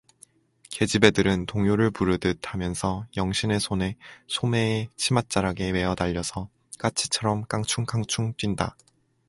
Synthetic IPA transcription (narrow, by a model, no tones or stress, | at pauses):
ke̞d͡ʑibe̞dɯɾɯntoŋjoɾɯɭpuɾɯdɯtʰamjʌnsʰʌjʌŋɕʰine̞sʰone̞sʰome̞ːt͡ɕʰimat̚t͡ɕ͈aɾaɡe̞we̞ʌdaʎːʌsʰʌ | k͈at͡ɕʰi̥t͡ɕʰʌɾʌmk͈aŋt͡ɕʰuŋkʰaŋt͡ɕʰuŋt͈winda̰